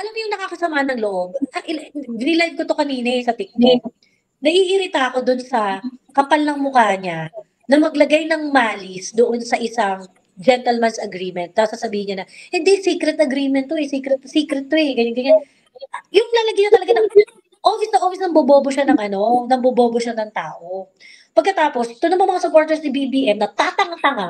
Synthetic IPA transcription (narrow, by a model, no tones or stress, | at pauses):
ʔɐlamʊjʊŋnɐkakɐsɐmaːhɐnɐŋloʔo̞b̚ɐʔɪbɪnɪlajd̪̚kot̪okɐniːnɛsɐt̪ɪk̚nɪ | nɐʔiʔɪɾɪt̪aɐko̞d̪ʊnsɐkɐpalnɐŋmʊkaːɲa | nɐmɐɡlɐɡajnɐŋmaːlɪsd̪oʔonsɐʔɪsaŋ | d͡ʒɛnt̪ɛlmɐnsɐɡɾiːmɛnt̪̚ːasasɐbiːhɪɲɐnɐhɪnd̪isiːkɾɛt̪ɐɡɾimɛnt̪ːoɛsiːkɾɛt̪̚siːkɾɛt̪̚ːoɛɡɐɲʊŋɡɐɲa | jʊŋlɐlɐɡɪɲot̪ɐlɐɡanɐ | ʔoːwɪsnɐʔoːwɪsnɐmboboːboʃanɐŋʔɐno̞nɐmboboːboʃanɐŋt̪aːʔo | pɐɡ̚kɐt̪aːpo̞sɪt̪onɐŋmɐmɐŋasʊpoɹt̪ɛɹsnɪbibiʔɛmnɐt̪at̪ɐŋat̪ɐŋa